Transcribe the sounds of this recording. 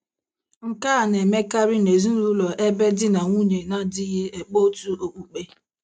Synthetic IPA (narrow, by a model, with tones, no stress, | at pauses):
ŋ̩˨kaː˦˨ne˨me˦ka˦ɾi˦ne˨zi˦n̩˦lu˦lɔ˨ʔe˦be˦dɪ˦na˨ŋʷu˦ɲe˨na˦dɪ˦ɣɪ˦e˨k͡po˦tu˦o˨k͡pu˨k͡pe˦